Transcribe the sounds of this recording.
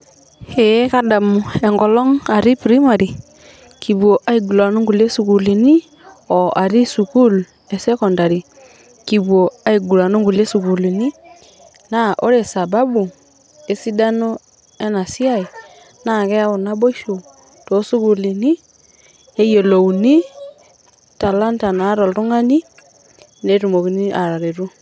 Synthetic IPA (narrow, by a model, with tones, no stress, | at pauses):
he˨˦ka˦da˨mu˨e˨ŋɡɔ˨lɔ˦ŋa˨ɾi˦pɾi˦ma˨ɾi˨ | ki˨bu˨o˨ʔa˦i˨ɡu˨la˨nu˦ŋɡu˨le˦su˨ku˨li˨ni˦ | ɔ˨ʔa˨ɾi˦su˨ku˦l | e˨sɛ˦kɔ˨nda˨ɾi˨ | ki˨bwo˨a˦i˨ɡu˨la˨nu˦ŋɡu˨le˦su˨ku˨li˨ni˦ | na˦ʔo˦ɾe˨sa˨ba˦bu˨ | e˦si˦da˦no˦ | e˦na˨si˦a˦i˨ | na˦˨kɛ˦a˦o˨na˦bo˦ʃo˨ | to˨˦su˦ku˨li˨ni˦ | e˦je˨lo˨u˨ni˦ | ta˨la˦nta˨na˨˦ɾɔ˨ltu˦ŋa˦ni˦ | ne˦ɾu˨mo˨ki˨ni˦ʔa˨ɾa˨ɾe˨ɾu˦